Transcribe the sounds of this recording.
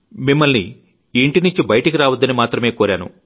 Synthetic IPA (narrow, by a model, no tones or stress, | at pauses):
mimːɐlniː | ɳʈiniɲt͡ʃibɐjɐʈɐkiɾaːʋɐd̪ːɐnimaːt̪ɾɐme̞ːkoːɾaːnṵ